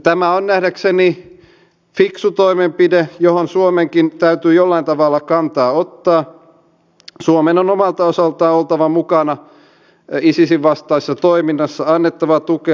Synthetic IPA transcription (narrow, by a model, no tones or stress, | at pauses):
t̪æmæonnæhdækseni | fiksut̪oimempidejohonsuomeŋkint̪æyt̪yːjolːɑint̪ɑʋɑlːɑkɑnt̪ɑːot̪ːɑː | suomenonomɑlt̪ɑosɑlt̪ɑːolt̪ɑʋɑmukɑnɑ | isisiʋʋɑst̪ɑisːɑt̪oiminːɑsːɑɑnːet̪ːɑʋɑt̪uke